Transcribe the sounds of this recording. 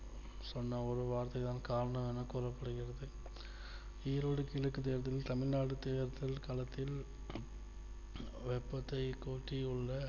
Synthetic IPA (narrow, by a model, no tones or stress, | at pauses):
sɔnːɐɔɾɯʋaːɾt̪ɐɪt̪aːnkaːɾɐɳɐmɛnːɐkuːrɐpːɐɽɯɣɪrɐðɯ | iːɾoːɽɯkɪɭɐkːɯt̪̬eːɾt̪ːɪlt̪ɐmɪɻnaːɽɯt̪eːɾt̪ːɪlkaːlɐt̪ːɪl | ʋɛpːɐt̪ːɐɪkuːʈːiɯɭːɐ